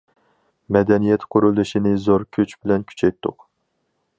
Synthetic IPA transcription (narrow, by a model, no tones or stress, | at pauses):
mɛd̪ɛnijɛt̪qʰʊɾulˠɨʃinɪzoɾkʲʰøt͡ʃbɪlɛnkʲʰy̥t͡ʃʰɛjt̪ʰːʊ̰q